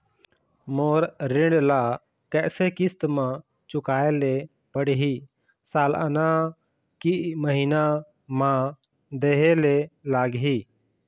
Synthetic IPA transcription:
moɾɾɪɳɖla | kɛʔsekist̪mã | t͡ʃʊkaele | pəɽɦi | salʔa̰na | kiʔməɦina | mã | d̪ɛɦelelaːɡɦi

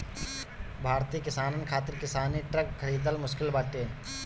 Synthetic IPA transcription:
bʱaːɾt̪iːkɪsaːnənkʰaːt̪ɪɾkɪsaːniʈɾɐkʰːəɾiːd̪əlmʊʃkɪlbaːʈeː

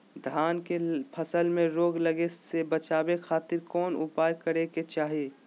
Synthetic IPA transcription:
d̪ʱaːnkepʰəsəlmẽɾoːɡləɡesebət͡ʃaːbekʰaːt̪ɪɾkɔːnʊ̰paːjkəɾeket͡ʃaːɦieː

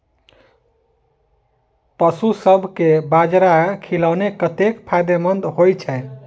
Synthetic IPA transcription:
pəsusəbʱkebad͡ʒɾakʰilaʊnekət̪ekpʰajd̪emənd̪ʱɦojt͡ʃʰɛ

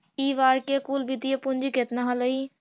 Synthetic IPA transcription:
iːʋaːɾkekuːlbid̪ijepʊ̃nd͡ʒiket̪naɦoləi

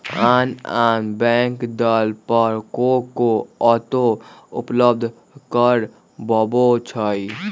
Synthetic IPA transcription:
aːnaːnbɛ̃ːŋkd̪əlpəɾkokoɔt̪oʊ̰pləb̚d̪ʱ | kəɾ | bɔbot͡ʃʰəi

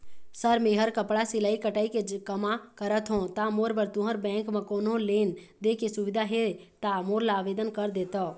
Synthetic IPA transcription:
səɾmeɦəɾkəpɽasɪlaːikəʈaːikekəmakəɾət̪ɦõt̪amoːɾʋəɾt̪ũɦəɾbɛ̃ːŋkmẽkoːnɦõleːn | d̪ekesuʋɪd̪ʱaɦet̪amoːɾlaːʋed̪ənkəɾd̪eːt̪ɔ

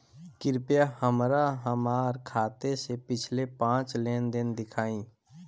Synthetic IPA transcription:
kɪɾpjahəmɾaɦəmaːɾkʰaːt̪esepɪt͡ʃʰlepãːt͡ʃleːnd̪ɪnd̪ɪkʰaːĩː

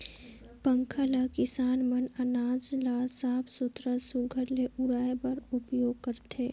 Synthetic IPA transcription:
pə̃ŋkʰəlakɪsaːnmənənaːd͡ʒlaːsaːɦbsʊt̪ɾəsuɡʱəɾleʔʊɾaːjpəɾʊpjoːɡ̚kəɾt̪ʰeː

